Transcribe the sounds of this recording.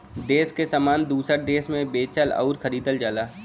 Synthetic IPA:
d̪eːskesaːmaːnd̪uːsəʈ̚d̪eːsmẽbeːt͡ʃəlɐ̰ʊɾkʰəɾiːd̪əld͡ʒaːlaː

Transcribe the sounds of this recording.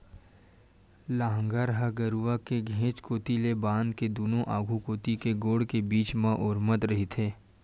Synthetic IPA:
laːɦə̃ŋɡaːɾɦaɡəɾuakeɡʱẽːt͡ʃkoːt̪ilebãːnd̪ked̪uːnõʔaːɡʱukoːt̪ikeɡoːɽkebiːt͡ʃmãʔʊːɾmət̪ɾɐɦit̪ʰeː

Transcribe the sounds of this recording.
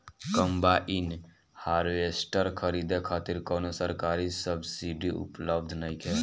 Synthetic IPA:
kəmbaʔin | haɾʋesʈəɾkʰəɾid̪ekʰaːt̪iɾkɔnosəɾkaːɾisəbsiɖiʔṵpləbd̪ʱnaikʰɛ

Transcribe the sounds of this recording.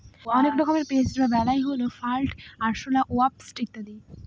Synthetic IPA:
ɔnek̚bɔkʰɔmeɾped͡ʑdɾabɛlajɦolofalʈaɾʃolaʔoap̚sʈik̚t̪ad̪i

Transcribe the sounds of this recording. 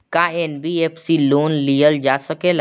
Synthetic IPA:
kaeːnbieːpsiloːnlijəld͡ʒaːsɐkeːl

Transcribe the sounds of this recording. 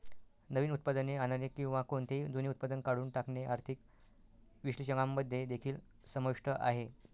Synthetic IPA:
nəʋiːnut̪̚pad̪əneanəɾekĩw̃ʋakoɳt̪ʰed̪ʱoniut̪̚pad̪ənkaɽuːnʈakɳeʔaɾt̪ʰik | ʋiɕɭiɕəŋɡamːəd̪ʱːed̪ekʰiːl | səməkʂʈəʔa̰ɦe

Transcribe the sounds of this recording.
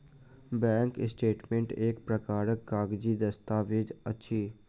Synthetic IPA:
bɛ̃ːŋkɪsʈeːʈmẽɳʈeːkpɾəkaːɾəkːaːɡd͡ʒid̪əst̪aːʋɪd͡ʒətːʃʰiː

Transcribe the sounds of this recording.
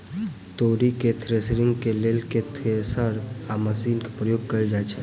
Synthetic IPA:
t̪oːɾiket̪ʰɾesɾɪŋɡkelelket̪ʰesəɾaməsiːnke̥pɾəjoːɡ̚kəid͡ʒaɛt͡ʃʰɛ

